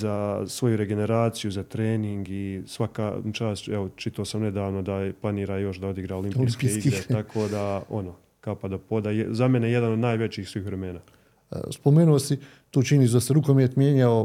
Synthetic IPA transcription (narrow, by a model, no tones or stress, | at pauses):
zasʋo̞juɾe̞ɡe̞ne̞ɾaːt̪sijuzat̪ɾeːniŋɡisʋaka̰ːt͡ʃaːsteʋot͡ʃit̪aosamne̞d̪aːʋno̞d̪aplˠaniːɾajo̞ʃd̪ao̞d̪iɡɾaːolimiskpieiɡiɾeakʰo̞ːd̪aono | kapad̪opoːd̪azameneje̞d̪anod̪naːjʋe̞t͡ɕiːxsʋiiːxʋɾe̞me̞ːna̰ː | spomeːnuosi | t̪uːt͡ʃinis̬d̪aseɾukomjet̪mjeːɲao